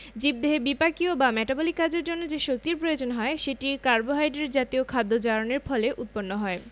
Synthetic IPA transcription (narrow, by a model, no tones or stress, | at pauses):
d͡ʑib̚d̪eɦebipakiobamɛʈabolikːad͡ʑeɾd͡ʑonːod͡ʑeʃok̚t̪iɾpɾojod͡ʑonɦɔeʃeʈikaɾboɦajɖeɾd͡ʑat̪iokʰad̪ːod͡ʑaɾoneɾfɔleʔut̪̚ponːoɦɔe